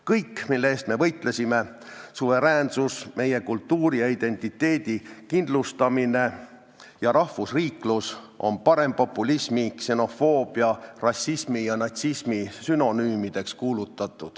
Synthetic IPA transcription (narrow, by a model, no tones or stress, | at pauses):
kɤjkːmilːeeːst̪me̞vɤjt̪ˑle̞sʲime̞ | suve̞ɾæːnsusme̞je̞kult̪ːuːɾijɑid̪e̞nʲt̪ˑit̪ːe̞ːd̪̥ikind̪̥lust̪ɑmine̞ | jɑɾɑhfusriːklusʔo̞̰npɑɾe̞mpo̞pːˑulismikse̞no̞fo̞ːb̥iɑrɑsːismijɑnɑt̪sismisyno̞nyːmid̪̥e̞kskuːlut̪ːˑɑt̪ˑːud̪̥